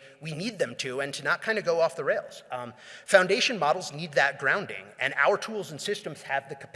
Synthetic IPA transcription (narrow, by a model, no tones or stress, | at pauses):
winid̪̚ðɨ̃mtʰɨɨ̃ntʰɨnət̚kʰãɪ̃ndɨɡoʊɔfðəɹeɪlˠz̥fãʊ̃ndeɪʃɨ̃nmɑɾl̩ˠznid̪̚ðɨt̚ɡ̥ɹãʊ̃ndɪ̰̃ŋɨ̰̃na̰ʊə˞tʰulˠz̃n̩sɪstm̩z̥ɨvðɨkʰəpʰ